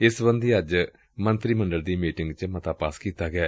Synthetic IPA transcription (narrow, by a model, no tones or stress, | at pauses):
ɪsbənd̪iːəd͡ʒ | mə̃nt̪ɾiːmə̃ɳɖəld̪iːmiːʈɪŋɡt͡ʃmət̪aːpaːskiːt̪aːɡɛː